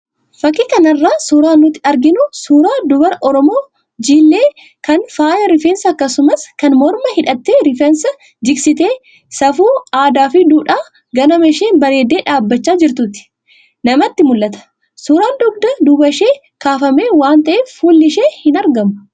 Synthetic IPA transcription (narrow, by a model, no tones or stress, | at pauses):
fɐkːɪkɐnɐrːaːsuːɾaːnʊt̪ːɪɐɾɡɪnʊsuːɾaːd̪ʊbɐɾʔɔɾɔmo̞ː | d͡ʒiːlːe̞ː | kɐnfaːjɐɾɪfensɐːkːɐsʊmɐskɐnmɔɾmɐhɪᶑɐt̪ːeːɾɪfɛnsɐ | d͡ʒ̪ɪksɪt̪e̞ː | sɐfuːaːd̪aːfɪd̪uːᶑaː | ɡɐnɐmɛʃeːnbɐɾe̞ːd̪ːe̞ːᶑaːbːɐt͡ʃːaːd͡ʒɪɾt̪ʊt̪ɪ̥ | nɐmɐt̪ːɪmʊlːɐt̪ɐ̥ | suːɾaːnd̪ɔɡ̚d̪ɐd̪ʊbɐʃe̞ː | kaːfɐme̞ːwaːnt̪ɐʔeːfːuːlːɪʃe̞ːhɪnɐɾɡɐmʊ̥